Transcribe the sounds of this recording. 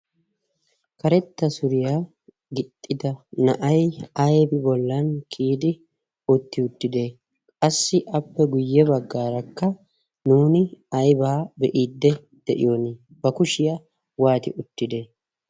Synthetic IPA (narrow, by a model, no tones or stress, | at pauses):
kɐɾɛt̪ːɐsʊɾɪja | ɡɪt̪ʼːɪd̪ɐnɐʔɐjɐjbɪbɔlːɐnkʰiːd̪ɪ | ʊt̪ːɪʊt̪ːɪd̪e̞ː | kʼɐsːɪʔɐpːɛɡʊjːɛbɐɡːaːɾɐkːɐ | nuːnɪɐjbaːbɛʔiːd̪ːɛ | d̪̥ɛʔɪ̰jonɪ | bɐkʊʃɪjɐ | waːt̪ɪ̰ʔʊt̪ːɪd̪e̞ː